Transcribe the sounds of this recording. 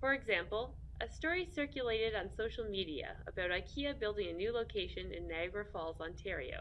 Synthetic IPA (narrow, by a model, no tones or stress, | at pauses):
fə˞ɨɡzæ̃mpl̩ˠ | ʔɨstɔɹisɜ˞kjɨleɪɾɨɾn̩soʊʃl̩ˠmiɾiɨ̰ə̰baʊɾaɪkʰiɨbɪlˠdɪ̃ŋɨnʉloʊkʰeɪʃɨ̃nɨ̰̃nːæɡɹəfɔlˠzɑ̃ntʰɛɹḭo̰ʊ